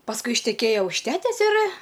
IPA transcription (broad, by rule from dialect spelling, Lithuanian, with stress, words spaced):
pɐsˈkʊɪ ɪʃʲtʲɛˈkʲeːjɛ ʊʃ ˈtʲæːtʲɛs ɪr